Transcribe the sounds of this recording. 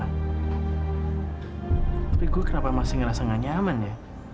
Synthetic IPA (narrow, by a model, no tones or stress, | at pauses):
piɡukənapamasɪŋrasəŋaɲamanj